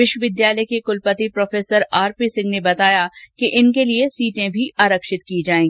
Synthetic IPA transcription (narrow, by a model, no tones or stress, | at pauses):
ʋɪʃwəʋɪd̪jaːləjkekʊlpət̪ipɾoːfeːsəɾaːɾpisɪ̃ŋɡnebɐt̪aːjakeʔɪnkeliesiːʈẽbʱiʔaːɾəkʃɪt̪kiːd͡ʒaːẽːɡiː